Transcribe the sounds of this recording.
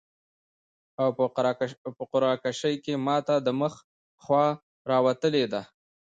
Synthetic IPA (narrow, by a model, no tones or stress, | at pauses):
aw | pəqʊɾɑkaʃəjkemɑt̪ad̪əməx | xwɑ | ɾɑwat̪əled̪a